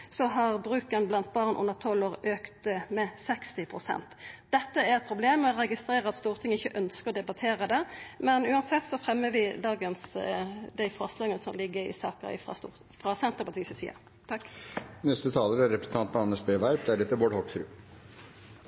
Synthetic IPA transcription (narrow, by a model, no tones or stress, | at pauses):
sɔɦɑʁbʁʉːkənblɑnt̪̚bɑʁnʔʊ̰nːəʁt̪ʰɔlːoːʁøːkt̪mɛsɛkst̪ɪpʰʁʊsɛ̰nt̪d̪̥ɛt̪ːəæɾɛt̪̚pʰɾʊbleːmɛɔʁɛɡɪst̪ɾeːɾəɑt̪st̪uːʁt̪ʰɪŋːəɪçəʔœnskəʁɔd̪ɛbɑt̪ʰeːʁəd̪ɛmɛnʉːɑnsɛt̪ːsɔfʁɛmːəʋɪd̪ɑːɡənsd̪æɪfɔʁslɑːɡənəsɔ̰mlɪɡːəɪ̰sɑ̰ːkə̰ɾɪ̰fʁɑ̰st̪ː | fɾɑsɛnt̪əɾpɑt̪iːsɪsḭːɑ̰ | t̪ʰɑkknɛst̪ət̪ʰɑːləɾæɾɛpɾəsn̩t̪ɑnt̪mɑnːəsbeːʋæɾʋd̪æɾɛt̪ːəʋoːɖhɔʈsɾʉ̰ː